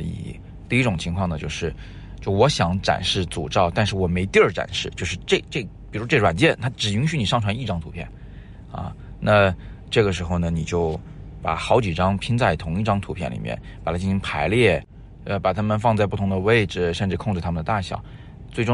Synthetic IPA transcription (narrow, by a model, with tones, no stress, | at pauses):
ḭ˨˩ | t̪i˥˧i˥ʈ͡ʂʊ˨˩ŋt͡ɕʰi˧˥ŋkʰwɑ˥˩ŋnə˩t͡ɕjo˥˧ʊʂɻ̩˥˧ | t͡ɕjo˥˧˩ʊwɔ˧˥ɕjɑ˧˥ŋʈ͡ʂa̰˨˩nʂɻ̩˥˩t͡sṵ˨˩ʈ͡ʂɑ˥˧ʊt̪a˥˧nʂɻ̩˥˩wɔ˨˩me˧˥ɪt̪i˥ə˞˥˩ʈ͡ʂa̰˨˩nʂɻ̩˥˧t͡ɕjo˥˧ʊʂɻ̩˥˧ʈ͡ʂe˥˧ʈ͡ʂe˥˩pi˨˩u˧˥ʈ͡ʂwa˨˩nt͡ɕjɛ˥˩nt̪ʰa˥ʈ͡ʂɻ̩˨˩y˧˥ŋɕy˧˥ni˨˩ʂɑ˥˩ŋʈ͡ʂʰwa˧˥ni˥˩ʈ͡ʂɑ˥ŋt̪ʰu˧˥pʰjɛ̰˥˩n | ɐ̰˧ | na˥˧ʈ͡ʂɤ˥˩ɡə˩ʂɻ̩˧˥xo˧˩ʊnə˩ni˨˩t͡ɕjo˥˩ʊ | pa̰˨˩xɑ˧˥ʊt͡ɕi˨˩ʈ͡ʂɑ˥ŋpʰi˥nt͡sa˥˩ɪt̪ʰʊ˧˥ŋi˥˩ʈ͡ʂɑ˥ŋt̪ʰu˧˥pʰjɛ˥˩nlḭ˨˩mjɛ̰˥˩npa˨˩t̪ʰa˥t͡ɕi˥˩ɕi˧˥ŋpʰa˧˥ɪljɛ˥˩ | ə˧pa˨˩t̪ʰa˥mə˨nfɑ˥˧ŋt͡sa˥˧ɪp̬u˥˩t̪ʰʊ˧˥ŋd̪ə˧we˥˩ɪʈ͡ʂɻ̩˨˩ʂə˥˧nʈ͡ʂɻ̩˥˧kʰʊ˥˧ŋʈ͡ʂɻ̩˥t̪ʰa˥mə˨nd̪ə˩t̪a˥˩ɕjɑ̰˨˩˦ | t͡swe˥˩ɪʈ͡ʂʊ˥